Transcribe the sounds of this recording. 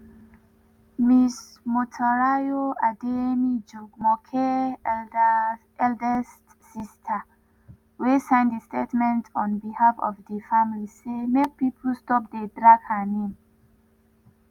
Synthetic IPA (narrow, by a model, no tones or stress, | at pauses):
mismɔtʰɔɹajoademid͡ʒuɡmɔkʰɛ | ɛldɛstːistʰə | wesãɪ̃ndəstetmɛ̃ntʰɔ̃nbihafɔ̰vdəfamlisemek̚pipʰəl̩stɔp̚dedɹaɡhənẽm